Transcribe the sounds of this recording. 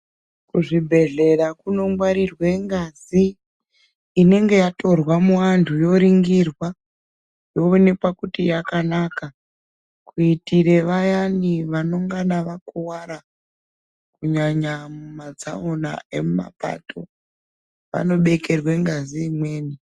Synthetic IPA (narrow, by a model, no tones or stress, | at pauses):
kuʐibʱe̞ɮe̞ɾakuno̞mɡwaɾirwe̞ŋɡazi | ne̞ŋɡe̞jato̞rwamuʋantʰujo̞ɾiŋɡirwa | jo̞one̞pakutijakanaka | kuitiɾe̞ʋajaniʋano̞ŋɡaɗaʋakuwaɾa | kuɲaɲamumad͡za̰ona̰e̞̰muma̰pa̰tʰo̞̰ | ʋa̰no̞ɓe̞ke̞rwe̞ŋɡaziːmwe̞ːni